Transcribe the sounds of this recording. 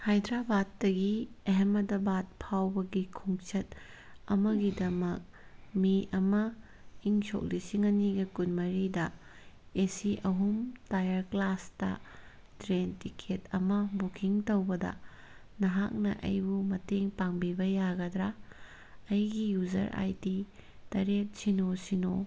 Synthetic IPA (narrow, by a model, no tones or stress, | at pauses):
hajdɾabadːɐɡiɐɦemɐdɐbat̚pʰawbɐɡikʰuŋt͡ʃɐt̚ | ɐmɐɡidɐmɐk̚ | miʔɐmɐ | iŋso̰k̚lisiŋɐniɡɐkunmɐɾidɐ | esiʔɐɦumtajɐɾklastɐ̰ | tɾentikʰetɐmɐbukʰiŋtɐwbɐdɐ̰ | nɐɦak̚nɐ̰ʔɐ̰jbumɐteŋpaŋbibɐjaɡɐdɾa | ɐjɡijuzɐ̰ɾʔa̰jtitɐɾet̚sinosino